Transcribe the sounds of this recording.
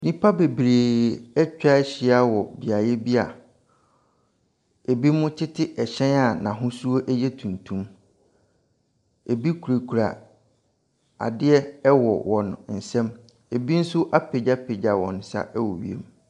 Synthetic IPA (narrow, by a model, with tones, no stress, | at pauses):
nĩ˦pʰa˦be˨bɾeː˨ɛ˦t͡ɕᶣa˦ɛ˦ɕɪ˨a˦wɔ˨bi˨a˨jɛ˦bi˦a̰˨ | e˨bi˦mʊ̃˦tʰɪ˦tʰɪ˦ʔɛ˨ɕɛ̃˦na˨nã˨ɦʊ̃˦su˦o˦ʔɛ˦jɛ˦tʰũ˨ntʰũ˦m | e˨bi˦kʰu˨ɾe˨kʰu˨ɾa˨ | a̰˨dɪ˦ɛ˦ɛ˦wɔ̰˨wɔ̃˨n˨n̩˨sɛ̃˦m | e˨bi˦n̩˦sʊ˦ʔa˦pʰe˨d͡ʑa˦pʰe˨d͡ʑa˨wɔ̰̃˨n˨˦sa̰˦ʔɛ˦wɔ̰˨ɥḭ˨ḛ˦m